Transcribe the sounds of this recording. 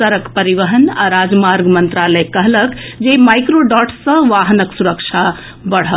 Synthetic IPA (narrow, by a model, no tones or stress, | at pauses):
əɾəkpəɾiʋəɦənaɾad͡ʒmaɾɡmənt̪ɾaləjkəɦləkd͡ʒemajkɾoɖɔʈsə̃ʋaɦnəksuɾəkt͡ʃʰa | bəɽ̤ɦə